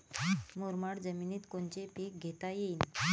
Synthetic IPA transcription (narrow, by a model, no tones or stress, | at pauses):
moɾmaɽd͡zəminiːt̪kont͡ɕepek̚ɡʱet̪ajin